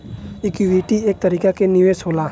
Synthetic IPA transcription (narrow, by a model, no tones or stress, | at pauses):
ɪkiʋiːʈieːk̚t̪ɐɾiːkakenɪʋeːʃɦoːla